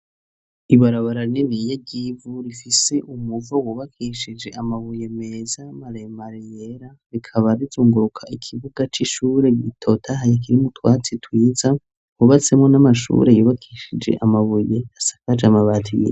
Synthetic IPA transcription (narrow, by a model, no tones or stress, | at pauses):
iβaɾaβaɾaninijeɟivuɾifise̞ʔumuvowuːβakʰiʃid͡ʒe̞ʔamaβuje̞mezamaɾemaɾijeɾa | ɾikʰaβaɾizuːŋɡuɾukʰaikʰiβuɡat͡ʃiʃuɾe̞ɡitʰo̞tʰaɦajek̬iɾimutwaːt͡sitwiːza | wuβat͡se̞mŋo̞namaʃṵːɾe̞juβakʰiʃid͡ʒe̞̰ʔamaβuje̞asḁkad͡ʒamaβaːtʰijḭ